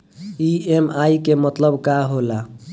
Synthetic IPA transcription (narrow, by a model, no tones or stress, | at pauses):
iemajkemət̪ləbkaɦola